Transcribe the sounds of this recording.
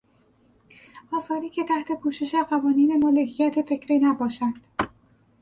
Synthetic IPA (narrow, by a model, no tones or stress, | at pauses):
ʔɒːsɒːɾiːcʰe̞t̪ʰæht̪ʰe̞pʰuːʃe̞ʃeɢævɒːniːnemoːlekʰijæt̪ʰe̞fe̞cʰɾiːnæbɒːʃænd̪̥